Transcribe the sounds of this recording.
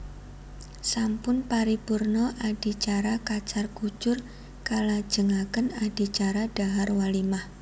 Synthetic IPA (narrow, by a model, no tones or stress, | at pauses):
sampʊnpaɾipurnɔʔad̥i̤t͡ʃaɾakat͡ʃarɡ̥u̥d͡ʒ̥ʊr | kalḁd͡ʒ̥əŋakənad̥i̤t͡ʃaɾad̥aɦarwalimah